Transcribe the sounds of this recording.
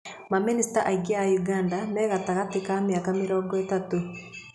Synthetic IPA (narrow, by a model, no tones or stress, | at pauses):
maministaʔaiɡeajuɡaːndanɛːɣataɣatikameakamɪɾɔːŋɡɔetato